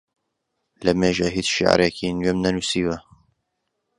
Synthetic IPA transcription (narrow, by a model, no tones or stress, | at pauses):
lɐmeːʒaɦiːt͡sʃḭʕa̰ɾɛkinɥemnɐnusiːwɐ